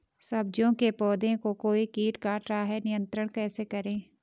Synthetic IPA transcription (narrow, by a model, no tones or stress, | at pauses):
sɐb̚d͡ʒõkepɔːd̪ẽkokoːikiːʈkaʈɾaːɦɛnɪjə̃nt̪ɾəɽ̃kɛːsekɐɾẽː